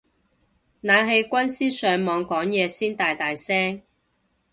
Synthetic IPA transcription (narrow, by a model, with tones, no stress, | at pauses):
naː˨˧nɦe˨˧jkʷɐ˥nsiː˥sœː˨˧ŋmɔː˨˧ŋkɔː˨˥ŋjɛː˨˧siː˥nt̪aː˨jt̪aː˨jsɛː˥ŋ